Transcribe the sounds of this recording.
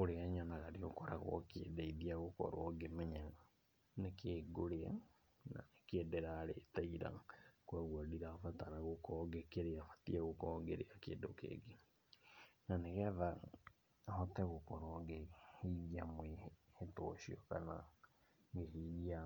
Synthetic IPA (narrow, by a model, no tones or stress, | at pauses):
oɾeaɲanaɣaɾio̰kɔɾa̰ɣwɔ̰kḛdaiðiaɣokɔ̰ɾwɔɡemɛɲɛa | nekʰeːɡoɾea | na̰nekedɛɾaːɾḛtaiɾa̰kwaɣwadiɾafataɾaɣokɔːɡekeɾeafatiɛɣokɔɡeɾeakḛdokḛːɡe | naneɣɛða | hɔtɛɣokɔɾɔɡehiɣiamweeto̰ʃiɔkana̰ | ŋɡeɦiɣia